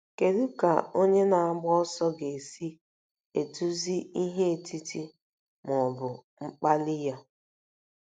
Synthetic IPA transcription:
ke˨ɾu˦ka̰˨o˦ɲe˦na˨a˦ɡ͡bɔ˦sɔ˦ɡe˨e˨si˦ | e˨tu˦zi˦i˦ɦe˦e˨tʰi˦ti˦ | mɔ˨bʊ˨ŋ͡m̩˦k͡pa˦lɪ˦ja˦

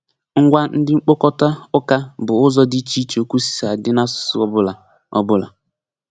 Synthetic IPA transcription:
ŋ̩˦ɡʷa˦n̩˦dɪ˦ŋ͡m̩˦k͡po˦kɔ˦ta˦ʊ˦ka˦bʊ˨ʊ˦zɔ˦dɪ˦t͡ʃi˦t͡ʃo˨kʷu˦si̥˦sa˨dɪ˦na˦sʊ̥˨˦sʊ˦ɔ˦bʊ˦la˨ | ɔ˦bʊ˦la̰˨

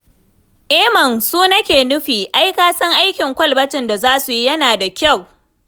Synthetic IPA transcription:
ʔeː˦mɐ˨nsuː˦nɐ˦kʲeː˨nʊ˦ɸiː˨ʔa˦jkaː˦sɐ˦ŋʔa˦jkʲɪ˨ŋkʷɐ˦lbɐ˦tɪ˨nda˨zaː˦su˨ji˦jɐ˦naː˨da˨kʲa˦˨w

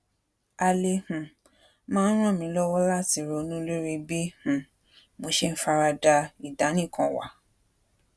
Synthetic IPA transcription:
a˧le˧hũ˨ | mãː˦ɾ̃ã˦˨mĩ˧˦lɔ˦wɔ˦la˦˨ti˨ɾo˧˦nũ˦lo˦ɾi˧bi˦h̩˨ | mo˨˧˦ʃe˦n̩˦fa˧ɾa˧da˧i˨da˨˦nĩ˦˨kã˧wa̰˨

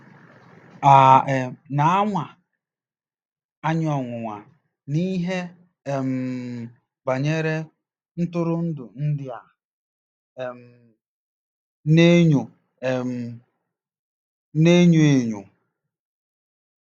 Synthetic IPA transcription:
a˨e˨na˨a˦ŋʷa˨ | a˦ɲ˦ɔ˨ŋʷʊ˨ŋʷa˨ | ni˦ɦe˦ | e˨m̩˨ | ɡ͡ba˨ɲe˦ɾe˦ | n̩˦tʊ˦ɾʊ˦n̩˦dʊ˨n̩˦dɪ˦a˨ | m˨ | ne˦ɲu˨ | e˨m̩˨ | ne˦ɲu˦e˨ɲṵ˨

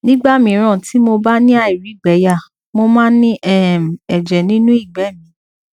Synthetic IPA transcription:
nĩ˦ɡ͡ba˦˨mĩ˧˨˦ɾ̃ã˦˨ti˨˦mo˧ba˦nĩ˦a˦˨i˨ɾi˨˦i˦˨ɡ͡bɛ˨˦ja˦˨ | mo˧mãː˦nĩ˦ʔɛ˦˨m̩˨ɛ˨d͡ʒɛ˨nĩ˦nũ˦i˦˨ɡ͡bɛ˨˦˨mĩ˨˦

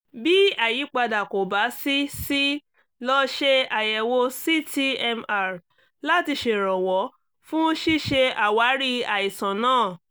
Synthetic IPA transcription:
bi˦a˨ji˨˦k͡pa˧da˨ko˨ba˨˦si˦si˦ | lɔ˦ʃe˦a˨jɛ˧wo˦si˦ti˧ɛ˧ma˧˨ɾ | la˦˨ti˧ʃe˨ɾɔ˨wɔ˨˦ | fũ˦ʃi˦˨ʃe˧a˨wa˨˦ɾi˦a˨i˨sã˨nãː˦˨

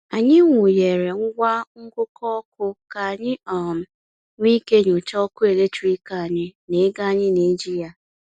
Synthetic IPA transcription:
a˨ɲɪ˦ŋʷʊ˨je˨ɾe˨ŋʊ˦ɡʷa˦ŋ̩˦kʊ˦kɔ˦kʊ˦ka˨ɲɪ˦ɔ˨m̩˨ | ŋʷi˦ke˦ɲʊ˨t͡ʃɔ˦kʊ˦e˨le˦t͡ʃu˦i˦ka˦˨a˨ɲɪ˦ne˨˦ɡa˦˨ɲɪ˦ni˨˦d͡ʒi˦ja˨

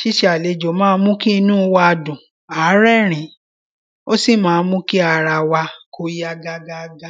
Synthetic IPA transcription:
ʃi˨˦ʃe˨˦a˨le˨˦d͡ʒo˨˦mãː˦˧˦mũ˦ki˦i˧nũ˦˧˦wa˧a˧dũ˨ | a˨˦ɾɛ˦ɾ̃ĩ˨˦ | o˦si˦˨mãː˦˧˦mũ˦ki˦a˧ɾa˧wa˧kʰo˧˦ja˧ɡa˧ɡa˧ɡa˦

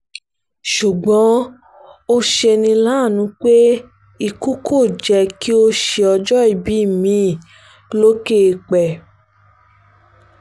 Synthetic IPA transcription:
ʃu˨ɡ͡bɔ̃˨˦ | o˦ʃe˧nĩ˧la˦˨nũ˦k͡pe˦ | i˦˨ku˦kʰo˦˨d͡ʒɛ˧ki˦o˦ʃe˧ɔ˧d͡ʒɔ˦i˦˨bi˨˦i˦˨mĩ˨˦˨ | lo˦ke˦˧˨k͡pɛ˨

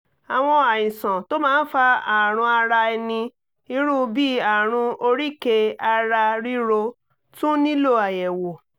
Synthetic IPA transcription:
a˨w̃ɔ̃˧a˨jĩ˨sɔ̃˨to˦mãː˦n̩˦fa˧a˨ɾ̃ũ˧a˧ɾa˧ɛ˧nĩ˧ | i˧˦ɾũ˦˧bi˦a˨ɾ̃ũ˧o˧ɾi˦˨ke˧a˧ɾa˧ɾi˦ɾo˧ | tũ˦nĩ˦lo˦˨a˨jɛ˨wo˨

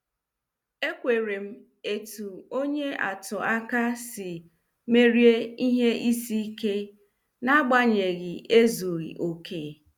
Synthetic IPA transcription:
e˦kʷe˨ɾe˨m̩˦ | e˨tu˨o˦ɲe˦a̰˨tʊ˨a˦ka˦sɪ˨ | me˦ɾje˦i˦ɦe˦ʔi˦si˦ke˦ | na˦ɡ͡ba˦ɲe˨ɣɪ˨e˦zu˨ɾḭ˨ʔo˦kʰeː˦˨

